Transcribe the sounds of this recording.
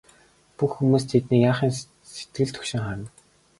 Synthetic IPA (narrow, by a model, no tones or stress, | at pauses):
puxːumuːst̪ʰet̪niːjaːχiːn | se̥t̪ɡɘ̆ɮt̪ʰɵ̥kʃɪ̆ŋχaɾ̆n